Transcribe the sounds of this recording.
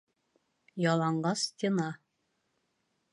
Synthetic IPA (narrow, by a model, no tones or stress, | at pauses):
jɑlˠɑɴɢɑst̪ʲenɑ